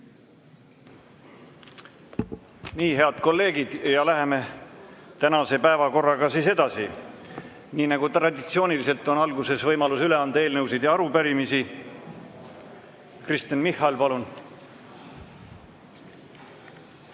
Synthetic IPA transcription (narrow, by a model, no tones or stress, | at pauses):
niːɦe̞ɑd̪̥ko̞lːe̞ːɡid̪̥jɑlæɦe̞me̞ | t̪ænɑse̞pæe̞vɑko̞rːɑɡɑsiːse̞d̪ɑsi | niːnɑɡ̥ut̪rɑd̪ʲit̪sio̞ːnilise̞lt̪ːˑo̞nɑlɡuse̞svɤjmɑlusyle̞ɑnd̪̥ɑe̞ːlnɤws̬id̪̥jɑɑɾupæɾimisi | krist̪inmihɑlpɑlun